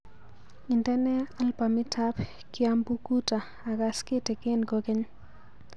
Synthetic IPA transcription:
i˨ntɛ˦nɛ˦a˦lpa˨mi˦tʰap | kiambu˦ku˦ta˨ | a˨kaske˦te˨ke˦nko˦kɛ˦ɲ

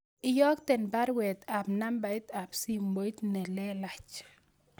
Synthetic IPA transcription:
ɪ˦jɔ˦kt̪ɛ˨nba˦ɾwɛ˨t̪a˨pna˦mba˨i˦t̪a˨bsi˦mbo˨i˦t̪nɛ˨lɛ˦la˨t͡ʃ

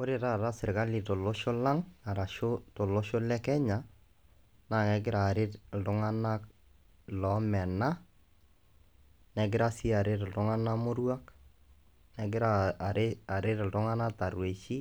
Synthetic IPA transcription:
o˦ɾɪ˦˨ta˦˨ɾa˦sɪ˨ɾka˦li˨to˨lo˦ʃo˦la˦ŋa˨ɾa˨ʃo˦to˨lo˦ʃo˦lɛ˦kɛ˦ɲa˨ | na˦˨ŋɛ˨kɪ˦ɾa˨ɾɪ˦tl̩tʊ˦ŋa˦na˦k | lɔ˨mɛ˨na˦ | nɛ˨ɡɪ˦ɾa˦si˦a˨ɾɪ˦tltʊ˦ŋa˦na˦mʊ˦ɾwa˦k | nɛ˨kɪ˦ɾa˦ | a˨ɾɪ˦tltʊ˦ŋa˦na˦ta˨ɾwe˨ʃi˦

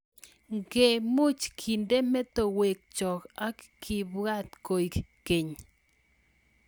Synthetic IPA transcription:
ŋɡe˨mu˦t͡ʃkʰi˨nd̪e˦me˦t̪o˨we˨k̚t͡ʃo˨ka˦kkʰi˨bɡa˦t̪ko˨jkke˨ɲ

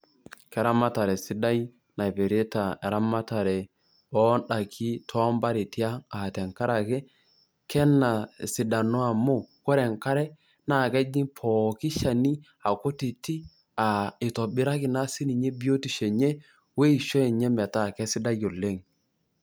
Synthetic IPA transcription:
kɛ˨ɾa˦ma˦ta˨ɾɛ˨sɪ˦da˦j | na˨i˨pe˨ɾe˦ta˨ɛ˨ɾa˦ma˦ta˨ɾɛ˨ | ɔ˦nɗa˨kʰi˦tʰɔ˦mba˦ɾe˨ti˦a˦a˨tɛ˨ŋka˦ɾa˨kɛ˦ | kɛ˦na˨sɪ˨da˨no˦a˨mu˦ko˦ɾɛ˨ŋka˦ɾɛ˦ | na˦˨kɛ˦d͡ʒi˦pʰɔ˨kɪ˦ʃa˨ni˦ | a˨ko˦ti˨ti˦ | a˨i˨tɔ˨bɪ˦ɾa˦kɪ˨˦na˦si˦ni˨ɲe˦bi˦o˦ti˨ʃɛ˨ɲe˦ | we˦i˨ʃe˦˨ɲɛ˦mɛ˨ta˦˨kɛ˦sɪ˦da˦jo˨le˦ŋ

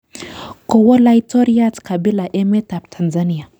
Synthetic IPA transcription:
ko˨wo˦la˦jto˦ɾi˦a˦tka˨bi˦la˨ʔe˦me˦ta˨p̚tʰa˨nza˦ni˦ja˨

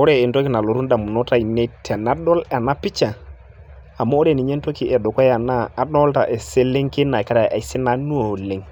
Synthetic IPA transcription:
o˦ɾe˦˨e˨nto˦kɪ˨na˨lo˨ɾu˦nda˨mu˨no˦ta˦˨i˨ne˦tʰɛ˨na˦dɔ˦la˨na˦pɪ˦t͡ʃa˨ | a˨mo˦o˦ɾe˨ni˨ɲe˦nto˦ki˨ɛ˨do˨kɔ˦ja˨naː˦˨nɔ˦lta˨ʔe˨se˦le˦ŋke˦na˨ka˦ɾa˨ʔa˨jsɪ˦na˦nu˦o˨le˨˦ŋ

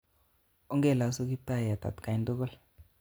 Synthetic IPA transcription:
u˦ŋɡɛ˦˨la˨˦su˦ki˦ta˦ja˨t̪a̰˨t̪ka˨i˨ndu˦kɔ˦l

